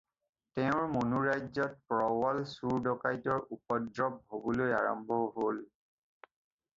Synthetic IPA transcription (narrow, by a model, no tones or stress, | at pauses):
tɛʊ̃ɹmonuɹajzɔt̚pɹɔwɔlsuɹdɔkajtɔɹupɔdɹɔb̚ɦobɔloja̰ɹɔ̰mbʱɔɦol